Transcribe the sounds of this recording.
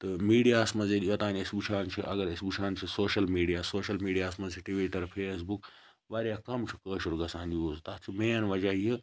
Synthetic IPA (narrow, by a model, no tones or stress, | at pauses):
t̪ɨmiːɖijaːsmɐzelijɐt̪ãːnɪsbut͡ʃʰaːnt͡ʃʰiʔɐɡɐɾɪsbut͡ʃʰaːnt͡ʃʰisoːʃɐlmiːɖijaːsoːʃɐlmiːɖijaːsmɐziʈiʋiːʈɐɾpʰeːs̬buk | ʋaːɾjaːkɐmt͡ʃʰukəːʃuɾɡɐsãːnd̪ioːst̪aːt͡ʃʰumẽːɐnʋɐd͡ʒaie